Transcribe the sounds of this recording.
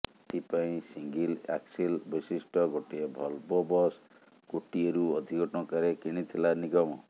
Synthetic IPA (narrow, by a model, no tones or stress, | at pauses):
t̪ipaĩsiŋɡila̰ksilbɔsisʈɔɡoʈiebʱɔlbɔbɔs | koʈieɾuɔd̪ʱikɔʈɔɔkaɾekiɽ̃it̪ʰilaniɡɔmɔ